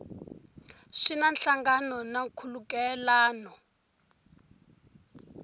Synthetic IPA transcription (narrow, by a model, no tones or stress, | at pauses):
ʂinanɬaŋɡanɔnakʰulukɛlaːnɔ